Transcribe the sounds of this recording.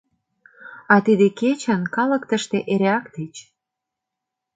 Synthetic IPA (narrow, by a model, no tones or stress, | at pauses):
ɑt̪id̪eket͡ɕənkɑlə̆kt̪ə̆ʃt̪eʔeɾeɑkt̪et͡ɕ